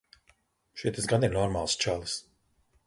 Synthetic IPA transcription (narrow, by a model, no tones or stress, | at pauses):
ʃit̪izɡad̪innɔɾmaːlˠst͡ʃalˠɨs